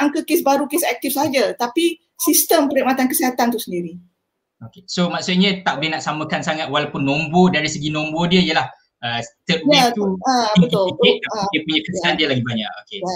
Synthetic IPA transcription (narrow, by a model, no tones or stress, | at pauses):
aŋkəkesbaɾukesɛk̚t̪ifsəɦad͡ʒat̪api | sist̪əmpəɾiʔmat̪ankəsiɦat̪ant̪usəndiɾi | okesomaksut̪̚ɲə̃t̪ak̚bihnaʔsaməkansaŋat̪̚walapʊnːombodaɾisəɡinombodiəijəlah | ət̪əujat̪əbəʊlikit̚adiəpuɲəkəəandiəlaɡibaɲa̰ʔokea